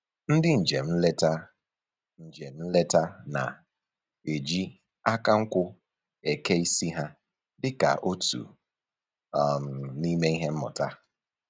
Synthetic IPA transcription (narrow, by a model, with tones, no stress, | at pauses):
n̩˦dɪ˦n̩˨d͡ʒe˨m̩˦le˦ta˦ | n̩˨d͡ʒe˨˦n̩˦le˦ta˦na̰˨ | e˨d͡ʒi˦ | a˦ka˦ŋ̩˦kʷʊ˦ | e˨ke˦i˦si˦ɦa˦ | dɪ˦ka̰˨ʔo˦tṵ˨ | m̩˨ni˦me˦i˦ɦe˦m̩˦mʊ̰˨ta˦